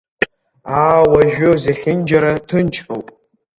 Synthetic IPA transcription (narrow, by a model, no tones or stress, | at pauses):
aːwɐʒᶣowzɐɬʲɪnd͡ʒɐɾɐtʰɨnt͡ʃʰʼɐwpʼ